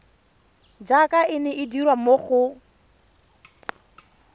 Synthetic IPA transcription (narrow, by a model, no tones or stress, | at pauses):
d͡ʒakʼaɪnɛʔɪdirwamoχʊ